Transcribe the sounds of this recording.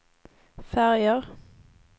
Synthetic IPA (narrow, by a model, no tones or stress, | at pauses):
fæʁjəʁ